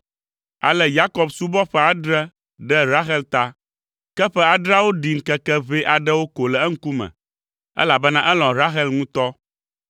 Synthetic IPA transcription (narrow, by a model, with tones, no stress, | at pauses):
a̰˨lɛ˦ja˦kɔ˨bsu˦bɔ˦ɸɛ˦a˨dɾɛ˦ | ɖɛ˦ɾa˦xɛ˦lt̪a˦ | kɛ˦ɸɛ˦a˨ɖɾa˦wo˦ɖi˨ŋ̩˨kɛ˦kɛ˦ve˦ʔa˨ɖɛ˦wo˦ko˨lɛ˨ɛ˦ŋ̩˦ku˦mɛ̰̃˨ | ɛ̰˦la˨bɛ˦nã˦ʔɛ˦lɔ̃˨ɾa˦ɦɛ˦lŋũ˦t̪ɔ˦